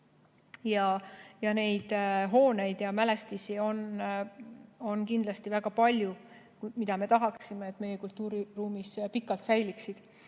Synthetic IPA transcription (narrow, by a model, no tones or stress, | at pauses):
jɑjɑne̞jd̪̥ɦo̞ːne̞jd̪̥jɑmæle̞st̪isio̞n | o̞nkind̪lɑst̪ivæɡ̥ɑpɑlʲju | mid̪ɑme̞t̪ɑɦɑksime̞ːt̪ːˑme̞jekult̪ːˑuːɾiruːmispikːˑɑlt̪sæjliksid̪̥